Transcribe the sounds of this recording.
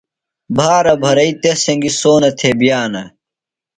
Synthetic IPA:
bʱaːɾɐbʱɐɾɐit̪esɐŋɡisoːnɐt̪ʰebjaːnɐ

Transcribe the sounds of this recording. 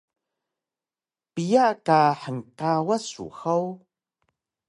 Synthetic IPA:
pijakaħəŋqawasṵxaw

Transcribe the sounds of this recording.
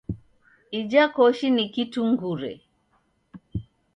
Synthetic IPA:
id͡ʒakɔʃinikituŋɡuɾɛ̰

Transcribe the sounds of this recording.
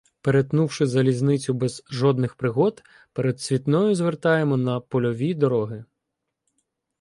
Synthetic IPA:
peɾet̪nuwʃɪzɐlʲiznɪt͡sʲʊbɛzʒɔd̪nɪxpɾɪɦɔd̪ | peɾed̪sʲʋʲit̪nɔjʊzʋert̪ɑjemɔnɐpɔlʲɔʋʲid̪ɔɾɔɦɪ

